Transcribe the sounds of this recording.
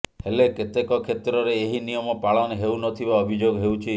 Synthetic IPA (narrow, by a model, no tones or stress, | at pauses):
heleket̪ekɔkʰet̪ɾɔɾeːɦinijɔmɔpaɭɔnɦewnɔt̪ʰibaɔbʱid͡ʒoɡɦewt͡ʃʰi